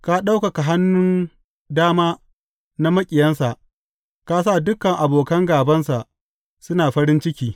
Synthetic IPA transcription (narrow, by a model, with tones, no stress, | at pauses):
ka˦ɗa˦wka˨ka˨ɦa˦nːʊ˦n | daː˦maː˦ | na˦mɐ˦kʲʼɪ˨jɐ˦nsa˨ʔ | ka˦s̬a˦˨dʊ˦kːɐ˨ŋʔa˨boː˨kɐ˦ŋɡaː˨bɐ˦nsa˨ʔ | sʊ˦naː˨ɸɐ˦ɾɪ˦nt͡ʃɪ˦kʲiː˦